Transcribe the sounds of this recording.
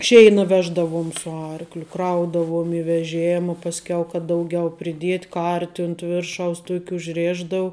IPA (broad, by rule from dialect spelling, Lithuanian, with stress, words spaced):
ˈʃʲɛɪnɐ ˈʋʲæːʒdɐʋuɔm sʊ ˈɐrklʲʊ ˈkrɐʊdɐʋuɔm ɪ ʋʲɛˈʒʲeːmɐ pɐsʲˈkʲɛʊ kɐt ˈdɐʊˌɡʲɛʊ pʲrʲɪˈdʲiɛtʲ ˈkɐrʲtʲɪ ʊnt ˈʋʲɪrʃɐʊs ˈtuɔkʲ ʊʒʲˈrʲeːʒdɐʊ